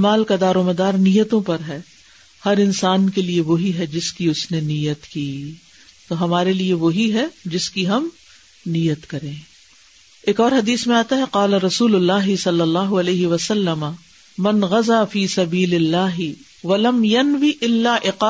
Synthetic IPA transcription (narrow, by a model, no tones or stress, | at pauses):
maːlkad̪aːɾoːmɐd̪aːɾnijət̪õpɐɾɦɛː | hɐɾɪnsaːnkelieʋoɦiɦɛd͡ʒɪskiʊsneniːjət̪kiː | t̪oɦɐmaːɾelieʋoɦiɦɛd͡ʒɪskiɦɐm | niːjət̪kɐɾẽː | eːkɔːɾɦɐd̪iːsmẽaːt̪aɦɛqaːlaɾɐsuːlʊlːaːɦɪsɐlːɐlːaːɦʊɐleːɦɪʋɐsɐlːɐma | mɐnɣɐzaːfiːsɐbiːlɪlːaːɦɪ | ʋɐlɐmjɐnʋiʔɪlːaʔɪqaː